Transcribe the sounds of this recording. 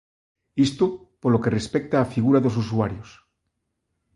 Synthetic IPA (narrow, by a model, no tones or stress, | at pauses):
ist̪o | poɾlo̞ke̞re̞spek̚t̪aːfiɣuɾaðos̬us̬uaɾjos